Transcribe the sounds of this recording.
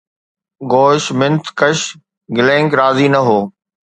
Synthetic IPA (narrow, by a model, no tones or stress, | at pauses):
ɠoːɪʃmɪ̃nt̪ʰkɐʃ | ɡɪlẽːŋɡɾaːzinɐɦoː